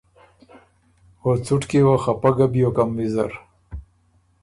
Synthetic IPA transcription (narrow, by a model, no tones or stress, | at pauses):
hot͡suʈkewaxapaɡabijokamːizaɾ